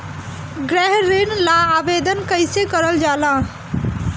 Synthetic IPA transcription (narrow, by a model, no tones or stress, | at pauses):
ɡɾɛɦɾenlaaːʋed̪ənkəɪsekəɾəld͡ʒaːlã